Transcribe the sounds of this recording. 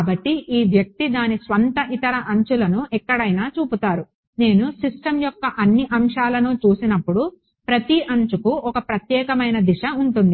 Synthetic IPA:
bɐʈːiʔiːʋjɐk̚t̪id̪aːnisʋɐnt̪ɐʔit̪ɐɾɐʔɐɲt͡ʃulɐnuɛkːɐɽɐjnaːt͡ʃuːput̪aːɾu | ne̞ːnusisʈɐmjɔkːɐʔɐnːiʔɐmʂaːlɐnut͡ʃuːsinɐpːuɽu | pɾɐt̪iʔɐɲt͡ʃukuɔkɐpɾɐt̪jɛːkɐmɐjnɐd̪iʂɐuɳʈund̪i

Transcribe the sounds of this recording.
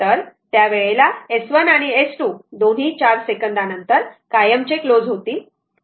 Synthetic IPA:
əɾt̪jaʋeɭelaesʋənaɽ̃iesʈuːd̪on̤ɦiːt͡ɕaɾsekənd̪anənt̪əɾkajəmt͡ɕeklod͡zɦot̪iː

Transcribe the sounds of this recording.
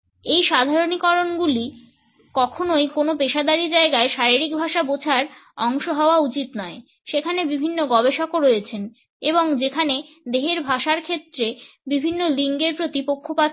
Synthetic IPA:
ejʃad̪ʱaɾonikɔɾonɡuli | kɔkʰonojkonopeʃad̪aɾid͡ʑaeɡaeʃaɾiɾik̚bʱaʃabot͡ɕʰaɾɔŋʃoɦɔoaut͡ɕit̪nɔe | ʃekʰanebibʱinːoɡɔbeʃɔkoɾojet͡ɕʰen | eboŋd͡ʑekʰane | d̪eɦeɾbʱaʃaɾkʰet̪ːɾebibʱinːoliŋɡeɾpɾot̪ipokʰːopa

